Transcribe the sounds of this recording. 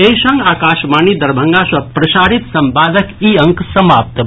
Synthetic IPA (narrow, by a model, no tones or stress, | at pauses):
ejʃɐ̃ŋɡaːkaːʃmaːniːd̪ɐɾbʱɐŋɡaːsʋɐpɾɐʃaːɾit̪sɐmpaːd̪əkiːɐ̃ŋksɐmaːp̚t̪